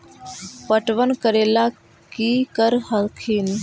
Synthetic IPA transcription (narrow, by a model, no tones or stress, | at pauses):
pəʈʋənkəɾela | kikəɾhəlkʰiːn